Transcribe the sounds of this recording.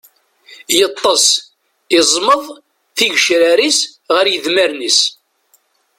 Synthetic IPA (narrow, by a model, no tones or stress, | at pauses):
jət̪ˤːɑsˤ | ɪzˤməðˤ | θiʝʃɾaɾisʁəɾjəðməɾnis